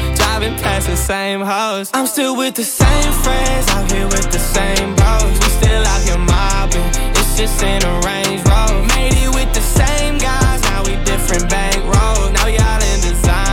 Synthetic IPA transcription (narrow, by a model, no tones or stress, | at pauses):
d̥avɨ̃npʰleɪsðɨsẽɪ̃mɦoʊsãɪ̃mstɪlˠwɪðɨsẽɪ̃ɱfɹɛ̃ndzaɪɦiwɪðɨsẽɪ̃mboʊzwistɪlaɪkɨ̃nmɑbɨ̃nɨtsd̥ʒ̥ʌstɪ̃nəɹẽɪ̃nd͡ʒɹoʊlˠmeɪɾiwɪðɨsẽɪ̃mɡaɪznaʊwidɪfɹɨ̃nb̥æɡɹoʊnaʊjɨɑɾɪ̃nðɨzãɪ̃